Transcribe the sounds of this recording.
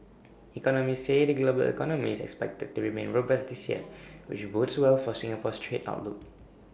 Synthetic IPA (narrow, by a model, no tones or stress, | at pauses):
ikɔnəmisedəɡlobə̰lḭkɔnəmḭɪsɛ̰kspɛ̰k̚təd̚tuɹimẽnɹobəsdisjiə̰wɪ̰t͡ʃbotswɛlfɔsĩŋəpɔstʰɹeta̰ʊtluk̚